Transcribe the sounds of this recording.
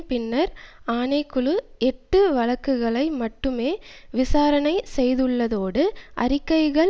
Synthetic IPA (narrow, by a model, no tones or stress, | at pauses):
pɪnːɐɾaːnɐɪkːɯɭɯɛʈːɯʋɐɻɐkːɯɣɐɭɐɪmɐʈːɯmeːʋɪsaːɾɐnɐɪsɛjðɯɭːɐðoːɽɯʔɐɾɪkːɐɪɣɐɭ